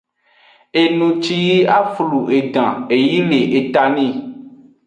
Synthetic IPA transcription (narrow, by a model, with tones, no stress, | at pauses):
e˨nũ˨t͡ʃi˦ji˦a˦flu˨e˨ɖã˨e˨ji˦le˨ʔe˨t̪a˨nĩ˦